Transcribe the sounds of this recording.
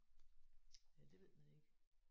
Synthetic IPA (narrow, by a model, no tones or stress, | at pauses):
jæd̥e̝ʋe̝ð̰ˠmæne̝ɡ̥